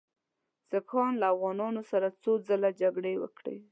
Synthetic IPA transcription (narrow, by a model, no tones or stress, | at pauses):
z̥akɑnlaːfɣɑnɑnosaɾat͡sod͡zəlad͡ʒaɡɽewə̰kɽḛ